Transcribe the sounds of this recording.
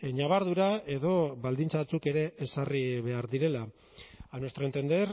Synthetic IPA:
ɲaβaɾðuɾae̞ðo̞βald̪int͡saβat͡suke̞ɾe̞esariβe̞aɾðiɾe̞la | anwest̪ɾent̪end̪eɾ

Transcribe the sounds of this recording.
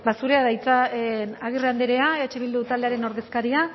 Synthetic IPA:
basuɾe̞aðajt͡saenaɣ̞irand̪eɾe̞aeat͡ʃeβ̞ild̪ut̪ald̪eaɾe̞no̞ɾðe̞skaɾia

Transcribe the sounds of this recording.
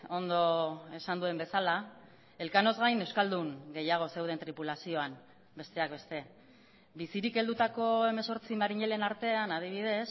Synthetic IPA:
o̞nd̪o̞e̞sand̪ue̞mbe̞sala | e̞lkano̞zɣajne̞wskald̪uŋɡe̞jaɣ̞o̞se̞wð̞e̞nt̪ɾipulasio̞am | be̞st̪e̞ak̚be̞st̪e̞ | bisiɾike̞ld̪ut̪ako̞e̞me̞so̞ɾt͡simaɾiɲe̞le̞naɾt̪e̞anað̞iβ̞ið̞e̞s

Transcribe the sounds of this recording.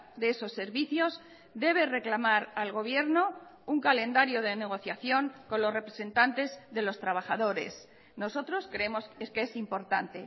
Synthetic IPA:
ðeeso̞sːe̞ɾβiθjo̞z | d̪e̞β̞e̞re̞klamaɾalɣo̞β̞je̞ɾno̞uŋkale̞nd̪aɾjo̞ð̞e̞ne̞ɣ̞o̞θjaθjo̞ŋko̞nlo̞zre̞pɾe̞se̞nt̪ant̪e̞zðe̞lo̞st̪ɾaβaχaðo̞ɾe̞s | no̞so̞t̪ɾo̞skɾe̞emo̞skeesimpo̞ɾt̪ant̪e̞

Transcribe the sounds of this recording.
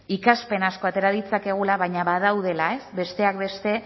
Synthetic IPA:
ikaspe̞nasko̞at̪e̞ɾaðit͡sake̞ɣ̞ulaβ̞ajɲaβað̞awðe̞lae̞sbe̞st̪e̞ak̚βe̞st̪e̞

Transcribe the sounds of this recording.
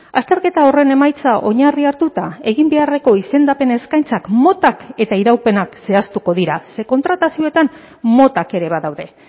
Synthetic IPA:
ast̪e̞ɾke̞t̪ao̞re̞ne̞majt͡saʔo̞̰ɲariaɾt̪ut̪ae̞ɣimbe̞are̞ko̞ise̞nd̪ape̞ne̞skajnt͡sakmo̞t̪ake̞t̪aiɾawpe̞nakse̞ast̪uko̞ðiɾase̞ko̞nt̪ɾat̪asio̞e̞t̪an | mo̞t̪ake̞ɾe̞β̞aðawðe̞

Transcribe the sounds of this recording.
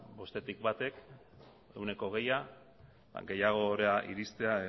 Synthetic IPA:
bo̞st̪e̞t̪ikbat̪e̞k | e̞wne̞ko̞ɣ̞e̞ja | a̰ŋɡe̞jaɣ̞o̞ːɾeaʔiɾist̪e̞a

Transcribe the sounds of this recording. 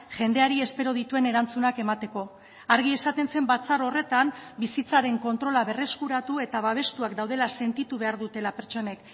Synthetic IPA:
ʝe̞nd̪e̞aɾie̞spe̞ɾo̞ð̞it̪ue̞ne̞ɾant͡sunakemat̪e̞ko̞ | aɾɣ̞ie̞sat̪e̞nse̞mbat͡saɾo̞re̞t̪ambisit͡saɾe̞ŋko̞nt̪ɾo̞laβe̞re̞skuɾat̪ue̞t̪aβaβ̞e̞st̪uakd̪awð̞e̞lase̞nt̪it̪uβ̞e̞aɾðut̪e̞lape̞ɾt͡ʃo̞ne̞k

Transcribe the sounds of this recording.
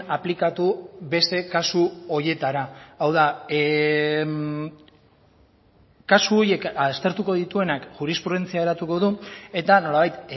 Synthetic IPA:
aplikat̪uβe̞st̪e̞kasuo̞je̞t̪aɾaːwða | kasuo̞ɾje̞kast̪e̞ɾt̪uko̞ðit̪ue̞nakʝuɾispɾuð̞e̞nt͡siae̞ɾat̪uko̞ðue̞t̪ano̞laβajt̪

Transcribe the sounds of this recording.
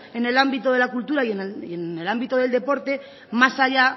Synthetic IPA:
e̞ne̞lambit̪oð̞e̞lakult̪uɾaienene̞lambit̪o̞ð̞eld̪e̞po̞ɾt̪e̞ | masaʎa

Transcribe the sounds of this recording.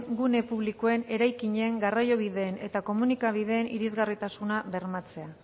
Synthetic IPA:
ɡune̞puβlikoe̞ne̞ɾajkiɲe̞ŋɡarajo̞β̞iðe̞ːne̞t̪ako̞munikaβ̞ið̞e̞ːnḭɾizɣarit̪asunaβe̞ɾmat͡se̞a

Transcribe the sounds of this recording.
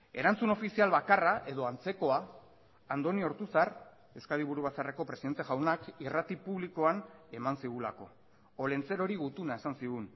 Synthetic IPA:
e̞̰ɾant͡suno̞fisialβakaraʔe̞ðo̞ant͡se̞ko̞aː | nd̪o̞nio̞ɾt̪usar | e̞skaðiβ̞uɾuβ̞asare̞ko̞pɾe̞siðe̞nt̪e̞ɣawnakirat̪ipuβliko̞ane̞mansiɣ̞ulako̞̰ | ole̞nt͡se̞ɾo̞ɾiɣut̪unae̞sansiɣun

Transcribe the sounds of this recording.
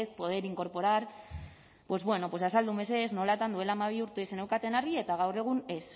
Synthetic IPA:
t̪po̞ð̞e̞ɾiŋko̞ɾpo̞ɾaɾ | pwe̞zβwe̞no̞pwo̞sasald̪ume̞se̞zno̞lat̪and̪ue̞laːmaβ̞iuɾt̪eesenewkat̪e̞naɾɣie̞t̪aɣ̞awre̞ɣ̞une̞s

